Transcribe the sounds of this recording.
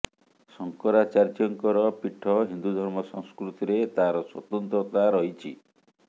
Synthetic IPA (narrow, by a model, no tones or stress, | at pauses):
sɔŋkɔɾat͡ʃaɾd͡ʒɔŋkɔɾɔpiʈʰːɔɦind̪ud̪ʱɔɾmɔsɔŋskɾut̪iɾet̪aɾɔswɔ̰t̪ɔnt̪ɾɔt̪aɾɔɦit͡ʃʰḭ